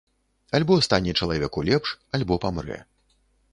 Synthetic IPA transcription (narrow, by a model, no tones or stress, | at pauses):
alʲbɔst̪anʲːɛt͡ʂɐlˠavʲɛkulʲɛpʂalʲbɔpamɾɛ̰